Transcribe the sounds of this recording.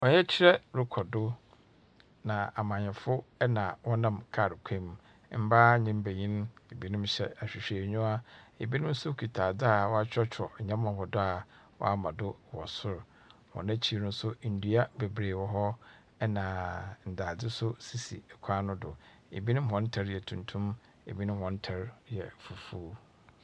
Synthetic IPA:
ɔ˨ɲɛ˦t͡ɕʰɪ˦ɾɛ˦ɾʊ˦kʰɔ˨dʊ˦ | nã˨a˨mã˨ɲɛ̃˨fʊ˦ɛ˦nã˨wɔ˦nã˨mkʰa˨ɾkʷʰẽ˦m˦ | m̩˦ba˦ɲɪ̃˦m˦be˨ɲĩ˦n˦e˨bi˦nʊ̃˦mɕɛ̰˦a˨ɕᶣi˨ɕᶣe˨ɲᶣũ˦a˦e˨bi˦nʊ̃˦m˦sʊ˦kʰi˨tʰaː˨dɪ˦a˨wɔ˦a˦t͡ɕʰᶣɔ˦t͡ɕᶣʰɔ˨ɲɛ̃˦mã˨hɔ˨dʊ˦a˨ | wɔ̰˦a˦mã˨dʊ˦wɔ˨sʊ˦ɾ | wɔ̰˨nã˦t͡ɕʰi˦˨nʊ̃˦n̩˦sʊ˦n̩˨du˦a˦be˨bɾeː˨wɔ˨ɦɔ˦ | ɛ˦nã˨n̩˨da˨dɪ˦sʊ˦si˨si˨kʷʰa˦nʊ̃˦dʊ˨ | ḛ˨bi˦nʊ̃˦m˦ɦɔ̃˨˦n̩˦tʰa˦ɾɛ˨tʰũ˨ntʰũ˦m | ḛ˨bi˦nʊ̃˦hɔ̃˨˦n̩˦tʰa˦ɾjɛ˨fu˨fuː˦

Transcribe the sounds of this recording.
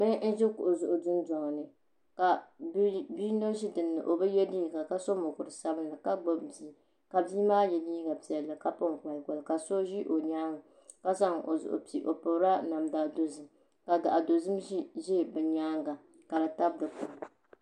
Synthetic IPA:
mɨ˦n̩˦ʒɛ˦kʊ˨ʔʊ˨zʊ˨ʔʊ˨dɨ˦n˦dɔ˨ŋ˨nɨ˨ | ka˨˦ | bi˦no˦ʃi˦dɨ˨nːɨ̰˨ʔo˨bɛ˦jɛ˦diː˦˨ɡa˨ka˦so˦mʊ˨kʊ˨ɾɨ˨sa˦bɨ˦nla˨ka˦ɡ͡bo˦bbi˨˦ | ka˨bi˦maː˦jɛ˨di˦ɡa˨pi˨ɛ˨lːɨ˨ka˦pʊ˦ŋ˨ka˨lko˨lka˨so˦ʒi˦ʔo˨ɲaː˦ŋa˨ | ka˦sa˦ŋʔo˨zʊ̰˨ʔʊ̰˨pi˨ʔo˨pʊ˨˦ɾa˦na˨mdaː˨do˨zɨ˨m | ka˨da˨ʔa˨do˨zɨ˦m˦ʒe˦˨bɛ˨ɲaː˦ŋɡa˨ | ka˨la˨ta˦b̚dɨ˨kʊ˨

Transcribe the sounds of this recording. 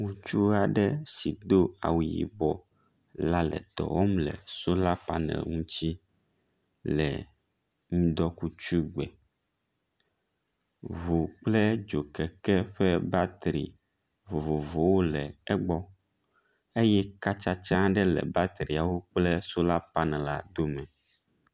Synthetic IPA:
ŋũ˦t͡ʃu˦a˨ɖɛ˦si˨d̪o˦a̰˨wu˨jḭ˨bɔ˨ | la˦lɛ̰˨t̪ɔ̰˨wo˦mlɛ̰˨so˦la˦pa˨nɛ̰̃˨ŋũ˦t͡ɕi˦ | lɛ̰˨ | mũ˦d̪ɔ˦ku˦t͡ʃu˦ɡ͡bɛ˨ | βo˨k͡plɛ˦d͡ʒo˨kɛ˨kɛ˦ɸɛ˦ba˦t̪ɾḭ˨ | vo˨vo˨vo˨wo˦lɛ˨ɛ˦ɡ͡bɔ˦ | e˦jɛ˦ka˦t͡ʃa˦t͡ʃã˦ɖɛ˦lɛ̰˨ba˦t̪ɾi˨a˨wo˦k͡plɛ˦so˦la˦pa˦nɛ̃˨la˦d̪o˦mɛ̃˨

